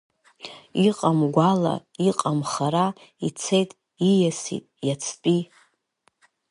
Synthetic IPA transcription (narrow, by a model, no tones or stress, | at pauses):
iqʼamɡʷala̰iqʼamχaɾa | it͡sʰejtʼ | ijasḭtʼjat͡sʰpʼi